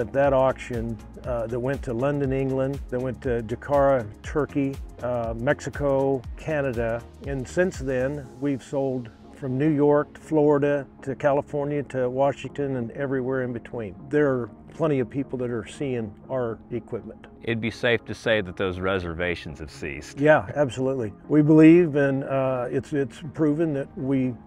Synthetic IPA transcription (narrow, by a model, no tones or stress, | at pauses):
ɨt̪̚ðɨɾɑkʃɨ̃n | ðɨt̚wɛ̃ntʰəlʌ̃ndɨ̃nɪ̃ŋɡlə̃nðɨt̚wɛ̃ntʰɨd͡ʒɨkʰɑɹɨtʰɜ˞ki | mɛksɨkʰoʊkʰænɨɾɨ | ɨ̃nsɪ̃nsðɨ̃nwiv̥soʊlˠd | fɹʌ̃mnʉjɔɹk̚tʰə̥flɔɹɨɾɨɾɨkʰælˠəfɔɹnjɨɾɨwɑʃɪ̃ŋtɨ̃nɨ̃nɛvɹiwɛɹɨ̃nbɨtʰw̥ĩnðə˞ː | pʰl̥ɛ̃ɾ̃iʌv̥pʰipl̩ˠðɨɾə˞siɪ̃ŋaə˞ɨkʰw̥ɪp̚mə̃ntʔɪt̚biseɪftʰɨseɪðɨt̪̚ðoʊzɹɛzə˞veɪʃn̩z̥ɨv̥sḭstjææb̥səlutˡliwibəlivɨ̃nɪtsɪtspʰɹ̥ʉvɪ̃ŋðɨt̚wi